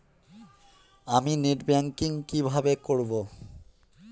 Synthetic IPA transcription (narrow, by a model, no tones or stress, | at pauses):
amineʈbɛŋkiŋkibʱabekoɾbo